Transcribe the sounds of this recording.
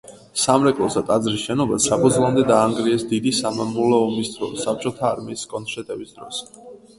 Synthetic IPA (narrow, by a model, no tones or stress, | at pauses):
samɾɛkʼlˠɔsd̪at̪ʼad̪zɾisʃɛnɔbasːapʰɔd̪zlˠamd̪ɛd̪aːŋɡɾiɛsd̪id̪isamamulɔɔmisd̪ɔsap̚t͡ʃʼɔt̪ʰaːɾmiːskʼɔnʃɛt̪ʼɛbisd̪ɾɔ̰s